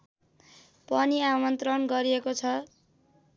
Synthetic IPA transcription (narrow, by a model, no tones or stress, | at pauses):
pʌniamʌnt̪rʌnɡʌɾiekot͡sʰʌ